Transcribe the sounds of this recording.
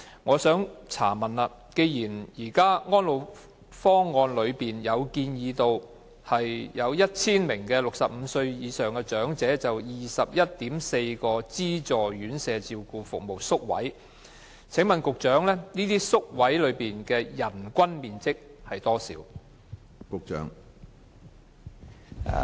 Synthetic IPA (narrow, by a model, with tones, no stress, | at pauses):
ŋɔː˨˧sœː˨˥ŋt͡sʰa̰ː˨˩mɐ˨naː˧ | ke˧jjiː˨˩njiː˨˩kaː˥ŋɔː˥nlo˨˧w | fɔː˥ŋɔː˧nlɵ˨˧ɥpiː˨njɐ˨˧wkiː˧njiː˨˧t̪o˧w | hɐ˨jjɐ˨˧wjɐ˥t̚t͡sʰiː˥nmɪ˨˩ŋkɛː˧lʊ˨k̚sɐ˨p̚m̩˨˧sɵ˧ɥjiː˨˧sœː˨ŋkɛː˧t͡ʃœː˨˥ŋt͡sɛː˨˥t͡sɐ˨wjiː˨sɐ˨p̚jɐ˥t̚t̪iː˨˥mse˧jkɔː˧t͡siː˥t͡sɔː˨˩jyː˨˥nsɛː˨˧t͡siː˧wkuː˧fʊ˨k̚mo˨˩wsʊ˥k̚wɐ̰˨˥j | t͡sʰɪ˨˥ŋmɐ˨nkʊ˨k̚t͡ʃœː˨˥ŋlɛː˥niː˥t̪iː˥sʊ˥k̚wɐ˨˥jlɵ˨˧ɥpiː˨nkɛː˧jɐ˨˩nkʷɐ˥nmiː˨nt͡sɪ˥k̚hɐ˨jt̪ɔː˥sḭː˨˧˥w | kʊ˨k̚t͡ʃœ̰ː˨˥ŋ˨